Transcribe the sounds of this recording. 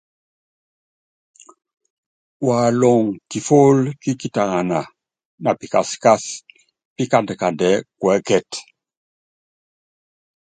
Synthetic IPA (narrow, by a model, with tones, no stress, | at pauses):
wa˨lɔ˨ŋki˨fo˦lki˦ki˦ta˨ŋa˨na˨ | na˨pi˨ka̰˨ska˦s | pi˦ka˦˨ndə˨ka˨ndɛ˨˦kwɛ˦kɛ˦˨t